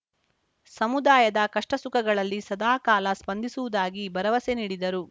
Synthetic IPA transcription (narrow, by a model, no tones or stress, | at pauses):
sɐmud̪aːjɐd̪ɐkɐʂʈɐsukɐɡɐɭɐlːisɐd̪aːkaːlɐspɐnd̪ʱisuʋud̪aːɡibɐɾɐʋɐseniːɽid̪ɐɾu